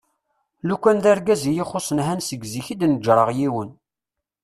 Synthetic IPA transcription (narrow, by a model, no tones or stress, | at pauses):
lukʷːænðæɾɡæzijiχosˤənɦænsəɡziçid̪nəd͡ʒɾˤəʁjiwən